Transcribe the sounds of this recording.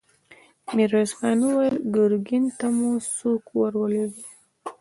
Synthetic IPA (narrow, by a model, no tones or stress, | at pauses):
miɾosxɑnuwajlɡəɾɡint̪amusokwaɾwəlewi